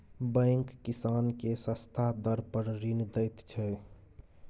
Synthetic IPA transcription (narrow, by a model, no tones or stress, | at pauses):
bə̃ŋkːisankesə̃st̪ʰad̪əɾpəɾɾind̪əjt̪t͡ʃʰɛ